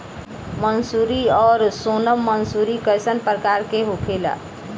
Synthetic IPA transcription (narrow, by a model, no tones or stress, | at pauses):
mənsuɾiɔːɾsonəmːənsuɾikəjsənpɾəkaɾkeɦokʰela̰